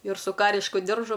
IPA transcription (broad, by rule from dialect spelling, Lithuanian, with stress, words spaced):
ɪr sʊ ˈkɑːrʲɪʃkʊ ˈdʲɪrʒʊ